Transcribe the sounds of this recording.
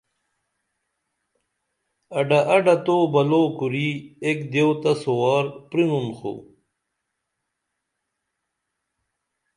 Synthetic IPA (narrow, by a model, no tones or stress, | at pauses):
ɐɖaʔɐɖɐt̪oːbɐloːkuɾiekd̪ewt̪ɐsowaːɾpɾinunxo̰